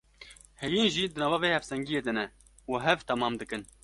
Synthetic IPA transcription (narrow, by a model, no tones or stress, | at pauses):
hɛjinʒiːd̪ɨnɑːvɑːveːhɛfsɛŋɡijeːd̪ɨnɛ | uɦɛvt̪ʰɛmɑːmd̪ɨkɨn